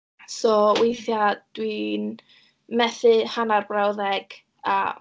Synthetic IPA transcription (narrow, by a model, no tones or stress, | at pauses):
sɔwejθjad̥win | mɛθɨhanarbrawðɛɡ̥ | aə̰